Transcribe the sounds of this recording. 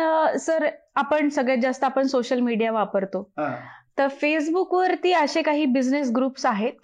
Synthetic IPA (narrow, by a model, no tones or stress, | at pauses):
səɾapəɳsəɡɭjad͡zast̪əapəɳsoɕəlmiɽijaʋapəɾt̪ot̪əɾfesbukʋəɾt̪iːəɕekaɦiːbid͡znes̬ɡɾuːpsaɦet̪̚